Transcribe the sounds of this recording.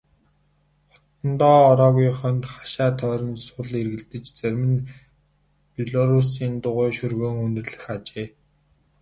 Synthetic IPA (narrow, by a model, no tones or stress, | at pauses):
χɔ̥t̪ɞ̆nt̪ɔːɔɾɔːɣujχœnt̪χḁʃaːt̪ʰœːɾɞ̆nsʊɮerɣɘ̆ɮt̪ɘ̆t͡ɕt͡sæɾʲmɘ̆n | pʲiɮɔɾusiːnt̪ʊʁʊːʃɵrɣoːŋund̪ɘ̆rɮɘ̆xat͡ɕeː